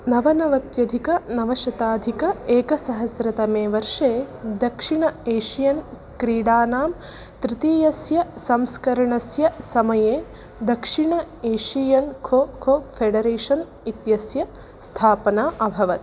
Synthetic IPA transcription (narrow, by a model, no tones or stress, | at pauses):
nɐʋɐnɐʋɐt̪jɐd̪ʱikɐnɐʋɐʃɐt̪aːd̪ʱikɐeːkɐsɐɦɐsɾɐt̪ɐmeːʋɐɾʂeːd̪ɐkʂiɳɐeːʃijɐn | kɾiːɽaːnaːm | t̪ɾɪt̪iːjɐsjɐsɐmskɐɾɐɳɐsjɐsɐmɐjeː | d̪ɐkʂiɳɐeːʃijɐnkʰoːkʰoːfʰeɖɐɾeːʂɐn | it̪jɐsjɐ | st̪ʰaːpɐnaːʔɐbʱɐʋɐt̪